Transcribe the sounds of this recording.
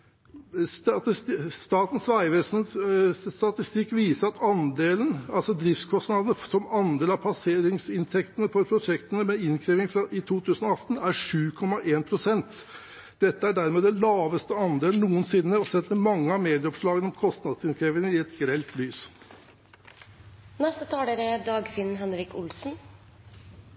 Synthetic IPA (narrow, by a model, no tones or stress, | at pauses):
st̪ɑːt̪ən̩sʋæɪʋeːsnsst̪ɑt̪ɪst̪ɪkːʋiːsəɾɑt̪ɑnd̪eːlənɑlsɔd̪ɾɪft̪skʰɔst̪nɑd̪ənəsɔmɑnd̪eːlɑpʰɑseːɾɪŋsɪnt̪ʰɛkt̪ənəfɔɾpʰɾʊʂɛkt̪ənəmɛɪnkʰɾiːʋɪŋfɾɑʔɪt̪ʰuːt̪ʰʉːsənɔɑt̪ən̩æɾʂʉːkʰɔmɑʔeːnpʰɾʊsɛnt̪ | d̪ɛt̪ːəæɖæɾmeːd̪ɛlɑːʋəst̪əɑnd̪eːln̩ːuːənsɪnːəɔsɛt̪ːəmɑŋːəɑmeːd̪ɪəɔpʂɭɑːɡənɔmkʰɔst̪nɑd̪sɪnkʰɾeːʋɪŋəɪɛt̪ɡɾɛlt̪lyːs | nɛst̪ət̪ʰɑːləɾəd̪ɑːɡfɪnɦɛnɾɪkʊlsn̩